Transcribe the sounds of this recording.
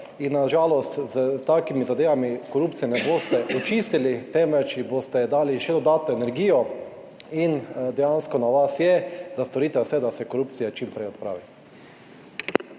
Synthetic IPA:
inːaʒaːlɔst̪zt̪akimizad̪eːʋamikɔɾuːpt̪sijɛnɛboːst̪ɛʔɔt͡ʃist̪ilit̪ɛmʋɛt͡ʃjiboːst̪ɛd̪aːliʃɛd̪ɔd̪aːt̪nɔɛnɛɾɡiːjɔ | ind̪ɛjanskɔnaʋasjɛzast̪oɾiːt̪ɛsɛd̪asɛkoɾuːpt̪sijat͡ʃimpɾɛjɔt̪̚pɾa̰ːʋi

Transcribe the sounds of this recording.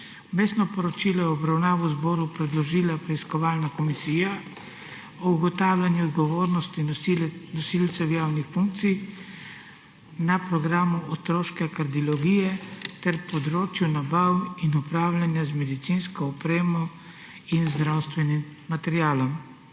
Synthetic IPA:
meːst̪nɔpɔɾɔt͡ʃiːlɔjɔːbɾawnaːʋuzbɔːɾupɾɛd̪lɔʒiːlapɾɛiskɔʋaːlnakɔmisiːja | ɔuɡɔt̪aːwlʲanjuɔd̪ɡɔʋoːɾnɔst̪inɔsilt̪sɛwjaːwnixfuŋk̚t̪sij | napɾɔɡɾaːmuɔt̪ɾoːʃkɛkaɾd̪iɔlɔɡiːjɛt̪ɛɾpɔd̪ɾoːt͡ʃjunabawinupɾaːwlʲanjazmɛd̪it̪sinskɔːpɾeːmɔ | inzd̪ɾawst̪ʋɛnimːat̪ɛɾjaːlɔm

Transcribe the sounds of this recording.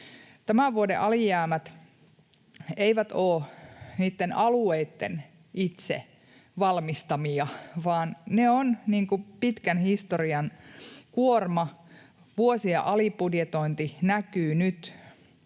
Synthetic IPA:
t̪æmæʋuodḛʔɑlijæːmæt̪ | eiʋæt̪oːniːt̪ːenɑlueit̪ːḛn | ʔit̪sḛ | ʋɑlmist̪ɑmiɑʋɑːnneonniːŋkupit̪kænhist̪oriɑnkuormɑ | ʋuosiɑ̰ʔɑlipudjet̪oint̪inækyːnyt̪

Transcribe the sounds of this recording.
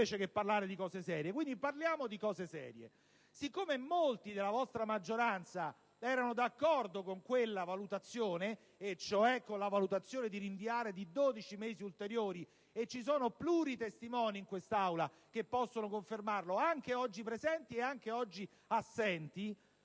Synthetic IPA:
eːt͡ʃekepːarlaːɾed̪ikɔːzesɛːɾjekwind̪iparljaːmod̪ikɔːzesɛ̰ːɾjḛ | sikːomemolt̪id̪elavɔst̪ɾamad͡ʒːoɾant̪sa | ɛːɾanod̪akːɔrd̪okoŋkwelːavalut̪at̪sːjoːne | et͡ʃoɛkːonlavalut̪at̪sjoːned̪iɾiɱviaːɾed̪id̪oːd̪it͡ʃimeːziult̪eɾjoːɾi | et͡ʃːisoːnopluːɾit̪est̪imɔːniːŋkwest̪aawla | kepːɔsːonokoɱfermarloaŋk̟eɔd͡ʒːipɾezɛnt̪ieaŋk̟eɔd͡ʒːi | asːɛnt̪i

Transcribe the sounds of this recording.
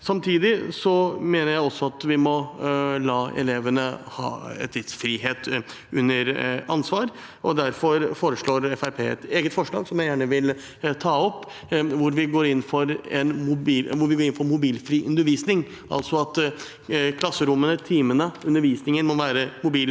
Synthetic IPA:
sɑmt̪ʰiːd̪ɪsɔmeːnəɾjæɪɔsːɔɑt̪ʋɪmɔlɑːɛ̰leːʋənəhɑ̰ːɛ̰t̪ʰːɪd̪sfɾiːheːt̪ | ʉnːəɾɑnsʋɑːɾ | ɔd̪æɾfɔɾfoːɾəʂɭoːɾɛfæɾpʰeːɛ̰t̪eːɡət̪fɔʂɭɑ̰ːɡsɔmjæɪjæːɳəʋɪl | t̪ʰɑːɔpː | ʋʊɾʋɪɡoːɾɪnːfɔɾɛnmʊbiːlʋʊɾʋɪɡoːɾɪnfɔɾnmʊbiːlfɾiːʔʉnd̪əɾʋiːsnɪŋ | ʔɑ̰lsɔɑt̪ | kʰlɑsːəɾʊmːənət̪ʰiːmənəʉnəɾʋiːsnɪŋənmɔʋæːɾəmʊbiːl

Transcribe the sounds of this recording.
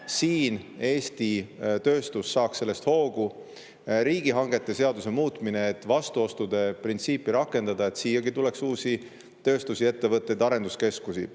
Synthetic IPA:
siːne̞ːst̪it̪ø̞ːst̪usːɑːkse̞lːest̪ho̞ːɡ̥u | ɾiːɡ̥iɦɑŋɡ̥e̞t̪ːˑe̞se̞ɑd̪use̞muːt̪ˑmineːt̪ːˑvɑst̪uo̞st̪ud̪̥e̞print̪siːpːˑiɾɑkːˑe̞nd̪̥ɑd̪̥ɑe̞t̪siːjɑɡit̪ule̞ksuːsi | t̪ø̞ːst̪usie̞t̪ːe̞vɤt̪ˑːe̞jd̪ɑɾe̞nd̪̥uske̞skusi

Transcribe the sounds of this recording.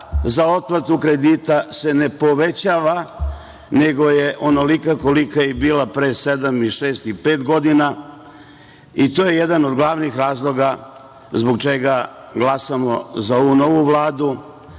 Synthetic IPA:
zao̞t̪at̪ukɾe̞d̪it̪ase̞ne̞po̞ʋe̞t͡ɕaːʋa | ne̞ɡo̞jeʔo̞nolikako̞likaibiːlapɾese̞d̪amiʃe̞ːst̪ipe̞ːt̪ɡo̞d̪ina | it̪oːje̞jed̪ano̞d̪ɡlˠaʋnixɾaːzlˠo̞ɡa | zboɡt͡ʃe̞ɡa | ɡlˠasamo̞zao̞ʋuno̞ʋuʋlˠaːd̪u

